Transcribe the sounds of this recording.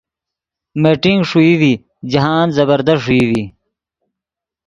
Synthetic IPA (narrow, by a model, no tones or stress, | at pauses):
meʈiŋɡʂuiwi | d͡ʑɐɦaːnzɐbəɾd̪ʌʂuiwi